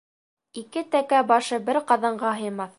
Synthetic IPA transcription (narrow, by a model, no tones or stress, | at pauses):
ikɘt̪ækæbɑʃɤbɘɾqɑðɑɴɢɑɦɤ̆jmɑθ